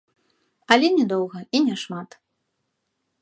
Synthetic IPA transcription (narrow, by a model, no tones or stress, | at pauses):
ɐlʲɛnʲɛd̪ɔwɣɐinʲɛʂmat̪